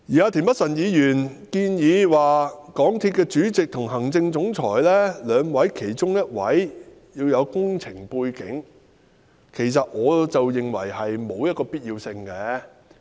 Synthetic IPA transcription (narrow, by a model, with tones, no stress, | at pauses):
jiː˨aː˧t̪ʰiː˨˩npɐ˥t̚sɐ˨˩njiː˨˧jyː˨˩nkiː˧njiː˨˧waː˨˩kɔː˨˥ŋt̪ʰiː˧t̚kɛː˧t͡ʃyː˨˥t͡sɪ˨k̚t̪ʰʊ˨˩ŋɦɐ˨˩ŋt͡sɪ˧ŋt͡sʊ˨˥ŋt͡sʰɔː˨˩jlɛː˥lœː˨˧ŋwɐ˨˥jkʰe˨˩jt͡ʃʊ˥ŋjɐ˥t̚wɐ̰˨˥j | jiː˧wjɐ˨˧wkʊ˥ŋt͡sʰɪ˨˩ŋpuː˧jkɪ̰˨˥ŋ | kʰe˨˩jsɐ˨t̚ŋɔː˨˧t͡sɐ˨wjɪ˨ŋwɐ̰˨˩jhɐ˨jmo˨˧wjɐ˥t̚kɔː˧piː˥t̚jiː˧wsɪ˧ŋkɛː˧˥